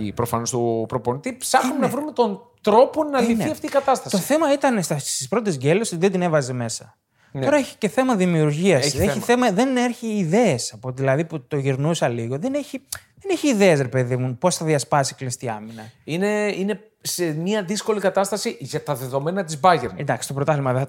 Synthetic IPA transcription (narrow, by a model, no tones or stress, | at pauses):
ḭpɾofɐno̞st̪opɾo̞po̞nit̪ipsɐxumenɐvɾumet̪o̞nt̪ɾo̞po̞nɐlifniɐft̪iːkɐt̪ɐst̪ɐst̪oθe̞mɐit̪ɐnst̪ɐst̪ispɾo̞t̪̬ezɡe̞lo̞sizðed̪ine̞vɐze̞me̞sɐ̰ | t̪oɾɐeçi̥ce̞θe̞mɐðimiuɾʝiɐseiθe̞mɐðe̞neɾçiːðe̞esɐpot̪ðilɐðiput̪o̞ʝiɾnusɐliɣo̞ðe̞ne̞çiðe̞neçiːðeesɾe̞pe̞ðimunpo̞sθɐðiɐspɐsiklist̪iɐ̰minɐine̞ine̞ | semɲiɐðisko̞likɐt̪ɐst̪ɐsiʝɐt̪ɐðe̞ðo̞me̞nɐt̪izbɐʝeɾnd̪ɐksi̥st̪o̞pɾot̪ɐflimɐðeɐ